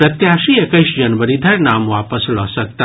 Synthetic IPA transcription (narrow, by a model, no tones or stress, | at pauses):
pɾɐt̪jaʃiekəʃd͡ʒənʋəɾid̪ʱɐɾnamʋaːpəslosək̚t̪a